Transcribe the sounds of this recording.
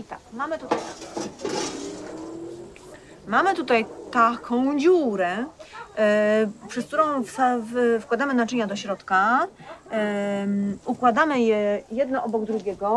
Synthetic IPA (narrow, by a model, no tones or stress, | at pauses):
it̪akmamɘt̪ut̪aja | mamɘt̪ut̪ajt̪akʰɔ̃w̃d͡ʑuɾɛ | pʂɛskt̪uɾɔ̃w̃ffkwad̪amɘnat͡ʂɘɲad̪ɔɕɾɔt̪ka | ukwad̪amɘjɛjɛd̪nɔʔɔbɔɡd̪ɾuɡʲɛɡɔ